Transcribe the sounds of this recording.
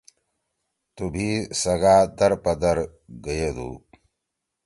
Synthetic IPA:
t̪ubʱiːsɐɡaːd̪ɐɾpɐd̪ɐɾɡɐjed̪ṵː

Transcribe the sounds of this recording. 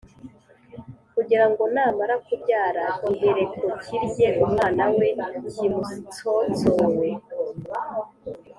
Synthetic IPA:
kuɟiɾaŋɡo̞naːmaɾakubɟaːɾaoɡeɾekʰociɾɟeʔumŋaːnawe̞ɟimusit͡sot͡sowe

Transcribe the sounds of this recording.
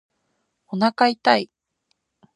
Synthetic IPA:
onakait̪ai

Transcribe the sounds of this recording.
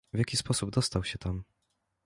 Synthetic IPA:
vʲjakʲispɔsubd̪ɔst̪awɕɛt̪am

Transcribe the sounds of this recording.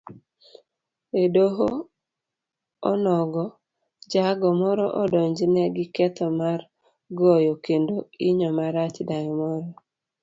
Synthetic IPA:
edoɦo | ɔnɔɡɔ | d͡ʒaɡɔmɔɾɔʔɔdɔɲd͡ʒɪnɛɡɪkɛt̪ɔmar | ɡɔjɔkendoiɲɔmaɾat͡ʃdajɔmɔɾɔ

